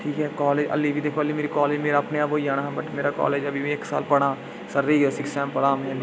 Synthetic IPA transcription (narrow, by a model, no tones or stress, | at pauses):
ʈʰiːkɦɛːkɔːleːd͡ʒə̰lːiːbiːd̪eːkʰoːəlːiːmeːɾiːkaːleːd͡ʒmeːɾaːpneːaːboːiaːɽ̃aːɦɛbəʈmeːɾaːkɔ̰ːleːd͡ʒəbʱiːmĩɪksa̰ːlpəɽ̃aː | səɾiːɡaːsɪksãːmpəɽaːmɛ̃l